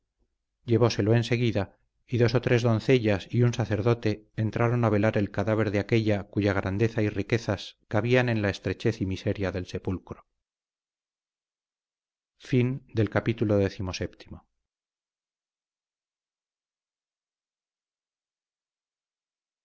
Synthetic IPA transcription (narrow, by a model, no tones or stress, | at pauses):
ɟ͡ʝe̞βo̞se̞lo̞ense̞ɣiða | iðo̞so̞t̪ɾe̞zðo̞nθe̞ʎasiunsaθe̞ɾðo̞t̪e̞ːnt̪ɾaɾo̞naβ̞e̞laɾe̞lkaðaβ̞e̞ɾðeake̞ʎakuʝaɣ̞ɾʔand̪e̞θairike̞θaskaβianẽ̞nlae̞st̪ɾe̞t͡ʃe̞θimise̞ɾjaðe̞lse̞pulkɾo | find̪e̞lkapit̪ulo̞ðe̞θimo̞se̞pt̪i̥mo̞